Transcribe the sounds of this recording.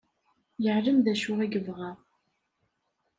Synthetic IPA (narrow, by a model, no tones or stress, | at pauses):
jəʕləmðæʃʊʁiɡəvʁæ